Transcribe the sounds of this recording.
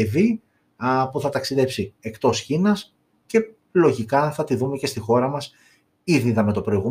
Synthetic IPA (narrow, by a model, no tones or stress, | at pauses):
eði | puθɐt̪ɐksiðe̞psie̞kt̪o̞sçinɐs | ce̞ | lo̞ʝikɐθɐt̪iðume̞ce̞st̪ixo̞ɾɐmɐs | iðiðɐme̞t̪o̞pɾo̞iɣum